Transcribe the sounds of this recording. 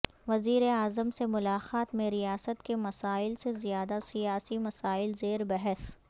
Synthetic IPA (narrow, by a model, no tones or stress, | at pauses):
ʋɐziːɾeaːzəmsemʊlaːxaːt̪mẽɾijaːsət̪kemɐsaːɪlsezijaːd̪asijaːsimɐsaːɪlzeːɾbɛɦɛs